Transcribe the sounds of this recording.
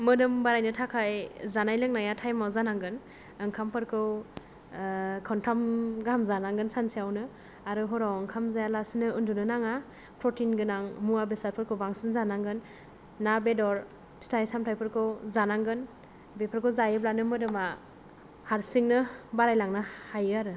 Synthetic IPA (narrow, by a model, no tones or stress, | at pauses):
mɯdɯmbaɾajnɯtʰakʰajzanajlɯŋnajatʰajmawzanaŋɡɯn | ɯŋkʰampʰɯɾkʰɯw | kʰɔntʰamɡamzanaŋɡɯnsansiawnɯ | aɾɯɦɔɾawɯŋkʰamzajalasinɯɯndunɯnaŋa | pʰɾɔtinɡɯnaŋmuabesaɾpʰɯɾkʰɯwbaŋsinzanaŋɡɯnː | abedɔɾ | stʰajsamtʰajpʰɯɾkʰɯwzanaŋɡɯn | bepʰɯɾkʰɯwzajɯblanɯmɯdɯma | haɾsiŋnɯbaɾajlaŋnahajɯaɾɯ